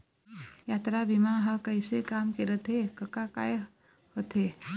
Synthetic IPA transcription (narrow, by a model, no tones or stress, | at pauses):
jaːt̪ɾabimaɦəkəɪsekaːmkeɾət̪ʰekəkaka̰ːj | hot̪ʰe